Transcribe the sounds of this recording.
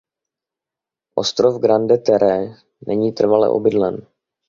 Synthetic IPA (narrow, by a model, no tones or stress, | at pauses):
ʔo̞st̪ɾovɡɾandɛt̪ɛɾɛː | nɛɲiːt̪r̩valɛ̰ʔo̰bɪdlɛn